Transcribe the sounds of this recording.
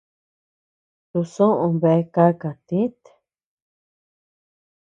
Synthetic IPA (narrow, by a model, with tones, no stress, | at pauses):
t̪u˧sõ˦ʔũ˧βe˧˦ka˦ka˨t̪ĩ˦t̪